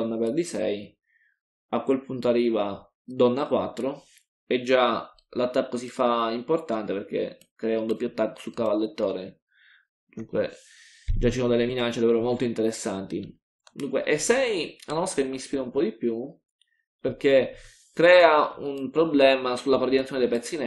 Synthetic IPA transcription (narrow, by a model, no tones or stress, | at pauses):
nːaperd̪isɛj | akwelpunt̪oarːiːva | d̪ɔnːakwa̰t̪ːɾo | ed͡ʒːa | lat̪ːakːosifaimport̪ant̪epeɾk̟ḛ | kːɾɛːaund̪opːjoat̪ːakːo̥sukːavalːet̪ːoːɾe | d̪uŋkwḛ | d͡ʒat͡ʃːisoːnod̪elːeminat͡ʃːed̪aveːɾomolt̪oint̪eɾesːant̪i | d̪uŋkwḛʔesɛjanɔst̪ːakemːispiːɾaumpɔd̪ipju | perk̟e | kɾɛːaunpɾoblɛːmasulːakord̪inat̪sjoned̪ejpɛt̪sːinɛ